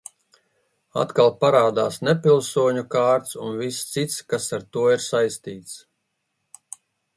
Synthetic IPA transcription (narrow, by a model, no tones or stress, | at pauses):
a̰t̪kalˠpaɾaːd̪aːsnɛpilˠsuɔɲukaːɾt̪sunvist̪sit̪skasaɾt̪uɔiɾsajst̪iːt̪s